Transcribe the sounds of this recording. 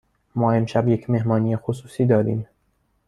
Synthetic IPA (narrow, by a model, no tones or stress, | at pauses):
mɒːe̞mʃæbjecʰme̞ɦmɒːniːjexosuːsiːd̪ɒːɾḭːm